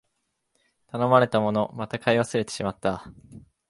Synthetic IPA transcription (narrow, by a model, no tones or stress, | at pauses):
t̪ano̞maɾe̞t̪amo̞no̞mat̪akaiβasɨɾe̞t̪e̞ɕimat̪ːa